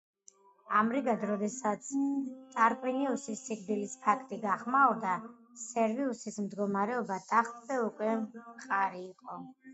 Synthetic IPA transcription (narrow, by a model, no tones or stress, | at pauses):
amɾiɡad̪ɾɔd̪ɛsat̪sʰt̪ʼaɾkʼwiniusisːiɡd̪ilispʰakʰt̪ʼiɡaχmauɾd̪a | sɛɾviusismd̪ɡɔmaɾɛɔbat̪ʼaχt̪ʼzɛukʼwɛqʼaɾiːqʼɔ